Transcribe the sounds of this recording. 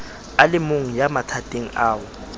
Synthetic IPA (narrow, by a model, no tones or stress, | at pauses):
alɪmoŋ̩jamatʰatʼeŋ̩aːwɔ